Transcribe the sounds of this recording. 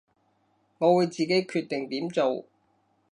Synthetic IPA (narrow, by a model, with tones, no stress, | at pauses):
ŋɔː˨˧wuː˨˧jt͡siː˨ke˨˥jkʰyː˧t̪̚ɪ˨ŋt̪iː˨˥mt͡so˨w